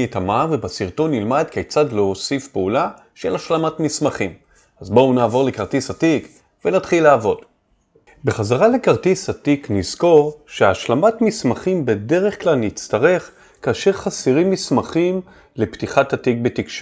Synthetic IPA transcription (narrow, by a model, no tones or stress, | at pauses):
etamavebasiʁto̞nːilmad̪kejt͡sadleosifpeula | ʃelaʃlamatmismaχim | azbounaːvo̞ʁle̞kaʁtisatik | venatχilaaːvo̞d̥ | be̞χazaʁale̞kaʁtisatiknizko̞ʁʃeaʃlamatmismaχimbe̞de̞ʁe̞χklalnit͡staʁe̞χ | kaːʃe̞ʁχasiʁimːismaχim | le̞ptiχatatik̚be̞tikʃ